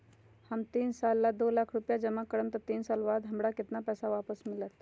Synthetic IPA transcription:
həmt̪iːnsalːad̪olakʰɾupjad͡ʒəmakəɽəmt̪ət̪iːnsalʋad̪ɦəmɽakɪt̪napɛːsaʋapəsmɪlət̪

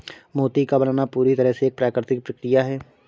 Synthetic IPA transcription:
moːt̪ikabɐnanapuːɾit̪ɐɾəɦseːk̚pɾaːkɾɪt̪ɪk̚pɾɐkɾijaɦɛː

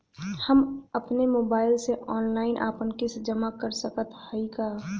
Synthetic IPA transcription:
həməpnemoːbaːɪlseʔɔːnlaːɪnʔa̰ːpənkɪsd͡ʒəmakəɾsəkət̪həikaː

